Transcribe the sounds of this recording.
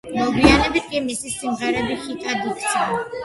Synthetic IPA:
mɔɡianɛbit̪̚kʼimisisːimʁɛɾɛbiχit̪ʼad̪ikʰt̪sʰan

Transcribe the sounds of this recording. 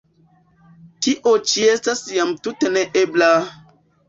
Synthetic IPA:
tiʔot͡ʃiestasjamtuteneʔebla

